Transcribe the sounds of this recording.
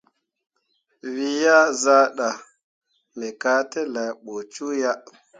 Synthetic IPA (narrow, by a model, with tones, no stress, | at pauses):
wi˦ja˦za˦ɗa˨ | me˨ka˦te˦la˨jɓo˨t͡ʃu˦ja˦